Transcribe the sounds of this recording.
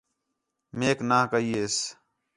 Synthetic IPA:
meːknaːkəiːeːs

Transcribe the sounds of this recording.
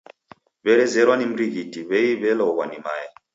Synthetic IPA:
βɛɾɛzɛɾwanim̩ɾiɣitiβɛiβɛlɔɔɣwanimaja

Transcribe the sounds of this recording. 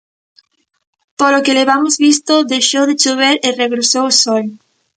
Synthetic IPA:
polokeleβamozβist̪oðejʃowðɪt͡ʃuβ̞eɾɪreɣɾosowosɔj

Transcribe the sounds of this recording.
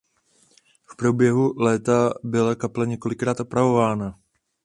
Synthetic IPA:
fpɾobjɛɦulɛːt̪abɪlakaplɛɲɛko̞lɪkɾaːt̪ʔopɾavo̞vaːna

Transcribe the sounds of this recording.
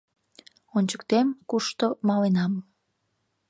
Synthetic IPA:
onʲt͡ɕə̥kt̪emkuʃt̪omɑlenɑm

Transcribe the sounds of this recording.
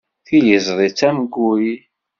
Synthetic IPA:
θiləzˤðˤit͡sːæmɡːuɾi

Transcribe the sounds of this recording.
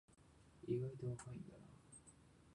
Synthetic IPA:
iɡait̪oβakaĩnd̪ana

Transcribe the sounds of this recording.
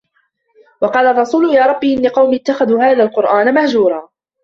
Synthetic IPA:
wɑqɑːlɑrˤːɑsuːlʊjaːɾˤɑbːiːʔɪnːɪqɑwmiɪt̪ːaxaðuːhaːðaːlqʊɾʔaːnamahd͡ʒuːɾˤɑː

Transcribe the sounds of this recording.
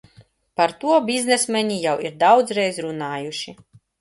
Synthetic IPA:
paɾt̪uɔbʲiznɛsmʲɛɲijawiɾd̪awd̪zɾɛjzɾunaːjuʃi

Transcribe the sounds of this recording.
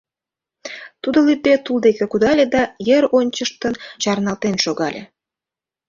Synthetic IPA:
t̪ud̪olyd̪et̪uld̪ekekud̪ɑlʲed̪ɑjəɾonʲt͡ɕəʃt̪ənt͡ɕɑrnɑlt̪enʃoɣɑlʲḛ

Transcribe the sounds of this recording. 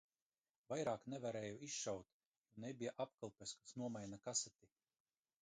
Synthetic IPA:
vajɾaːknɛvaɾɛːjuisʃawt̪ | junebʲijaʔapkɨlˠpʲɛskḁsnuɔmajnakasɛt̪ʲi

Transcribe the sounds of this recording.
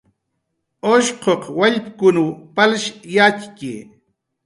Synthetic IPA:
oʃqoqwaʎpkʊnupalʃjat͡ʃkḭ

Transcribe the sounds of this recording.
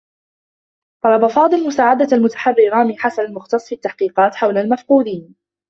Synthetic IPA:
t̪ˤɑlɑbafɑːd̪ˤɨlmʊsaːʕad̪aalmʊt̪ḁħarːɪɾɑːmiːħasanalmʊxt̪ɑsˤːfit̪ːaħqiːqɑːt̪ħawlalmafquːd̪iːn

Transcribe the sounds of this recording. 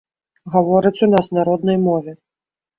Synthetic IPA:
ɣavɔɾɨt͡sʲunasnaɾɔd̪nɐjmɔvʲɛ

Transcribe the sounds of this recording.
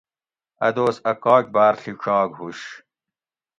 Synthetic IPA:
ɐ̰d̪oːsɐkɑːk̚baːɾɬiɕʰɑːɡɦuɕ

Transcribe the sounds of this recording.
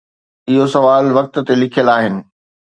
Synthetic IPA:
ɪɦosɐʋaːlʋɐk̚t̪̆t̪elɪkʰijəlaːɦɪnɪ̆

